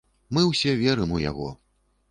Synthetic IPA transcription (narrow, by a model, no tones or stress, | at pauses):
mɨwsʲɛvʲɛɾɨmuja̰ɣɔ̰